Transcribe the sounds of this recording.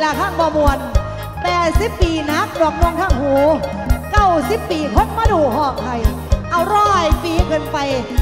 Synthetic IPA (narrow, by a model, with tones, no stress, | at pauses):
laː˨˧˩kʰaː˥˩ŋbɔː˧mu˨˩ən̚ | pɛː˨˩t̪̚si˨˦pːiː˧˩na˦˥k̚dɔː˨˩k̚nu˧ŋt̪ʰaː˥˩ŋhuː˨˩˦ | ka˥˩wsi˦˥pːiː˧k̪ʰo˦˥t̪̚maː˧˥˩duː˨˩hɔː˧˩t̪ʰa˧˩j | ʔa˧wɾɔː˥˩jfiː˧kʰɤː˧npa˧j